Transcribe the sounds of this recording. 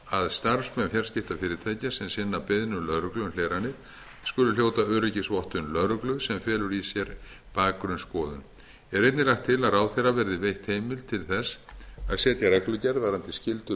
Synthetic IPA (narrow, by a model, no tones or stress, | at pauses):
aðst̪aɾfsmɛnfjaɾ̥scɪft̪afɪːɾɪt̪ʰaːjcasɛmsɪnːapɪðnʏlœɾʏklʏnl̥ejɾanːɪɾ̥ | skʏlʏljoːwt̪aœɾɪcɪsvɔht̪ʏnlœɾʏklʏðsɛmfjɛːlʏɾisjɛɾ | paːkːɾʏnskɔːðʏn | ɛɾejt̪nɪlajxt̪ʰːɪlaðaːwθɛɾavɛɾðɪvejht̪hejmɪlt̪ʰɪlθɛsaðsjɛːt̪jaɾɛklʏcɛɾðvaɾant̪ɪscɪlt̪ʏ